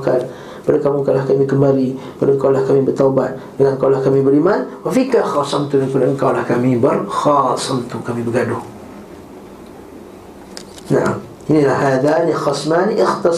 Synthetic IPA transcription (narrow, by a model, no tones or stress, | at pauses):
kal | b̥adəkamuŋkalahkamikəmbalibadəkawlahkamibərt̪aubat̪̚ | dəŋankawlahkamibəɾimanwafikaxɑsɑmt̪ʊmikudaʔəŋkawlahkamibərxɑsˤɑmt̪ʊkamibəɡadʊŋ | na̰ʔa̰m | ʔinilahɦaðanixɑsmaniʔɪxt̪ɑ